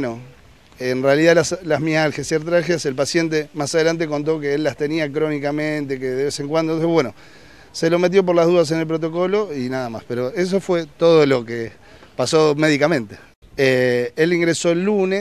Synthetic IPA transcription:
no | enrealiðalaslahmjalxesjeɾt̪ɾaxjaselpasje̞nt̪̬e̞masað̞e̞lant̪̬e̞k̬o̞nt̪̬o̞k̬eelːast̪e̞niakɾo̞nikamẽnt̪e̞keðeβeseŋkwand̪ooeβwe̞no̞ | se̞lo̞me̞t̪̬jo̞p̬o̞ɾlað̞uðas̬e̞nelpɾo̞t̪o̞ko̞loinaðama̰speɾo̞e̞s̬o̞fwe̞t̪o̞ð̞olo̞ke | paso̞me̞ðikamẽ̞nt̪e̥ | eeliŋɡɾeso̞elːune

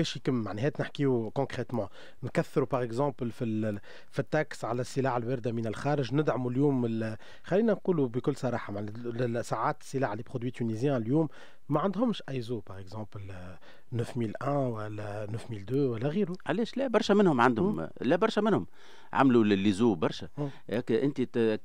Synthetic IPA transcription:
bɛːʃjikɪmːaʕnɛɦɛːt̪nɪħkiukɔ̃kʁɛt̪mɑ̃ | nkæθːɾupaʁɛkzɑ̃ːplfi | fit̪ːaksʕalæsːəlaːʕəlwɪɾd̪æminælxɑːɾɪʒnɪd̪ʕamuljuːmɪl | xalːiːnænquːlubikʊlːsˤɑɾˤɑːħamaʕnɛsaʕaːt̪ə̥sːəlaːʕlipχod̪wit̪ynizjɛ̃ljuːmː | æʕand̪hʊmʃʔajzupaʁɛkzɑ̃ːpl | nœfmiːlʔɛ̃wælːænœfmiːld̪øwælːæɣiːɾuʕalɛːʃlæbɑɾˤʃæmɪnhʊmʕand̪hʊmlæbɑɾˤʃæmɪnhʊm | ʕa̰mlullːizuːbɑɾˤʃɛ | ɛkʔɪnt̪i

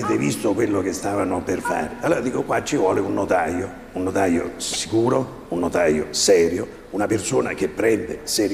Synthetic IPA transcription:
eːt̪evist̪okwelːok̟est̪aːvanoperfa̰ːɾɪaloːɾad̪iːkokwat͡ʃːivwɔːleunːot̪ajo | unːot̪ajo̰si̥kuːɾo | unːot̪ajo̰sɛːɾjo | unapersoːna̰k̟epːɾɛnd̪esɛɾ

